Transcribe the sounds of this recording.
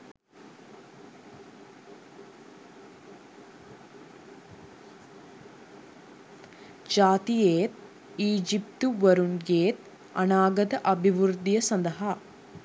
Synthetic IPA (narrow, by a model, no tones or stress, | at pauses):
d͡ʒaːt̪ijeːt̪̚ | iːd͡ʒipt̪uʋɐɾunɡeːt̪ | ɐnaːɡɐd̪ɐʔɐbʱiʋuɾd̪ijɐsɐnd̪ɐɦa